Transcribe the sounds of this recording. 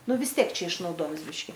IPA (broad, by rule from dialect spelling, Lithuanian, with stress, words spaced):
ˈnʊ ʋʲɪs ˈtʲiɛk ˈt͡ʃʲɛ ɪʃnɐʊˈdoːjɪms ˈbʲɪʃʲkʲɪ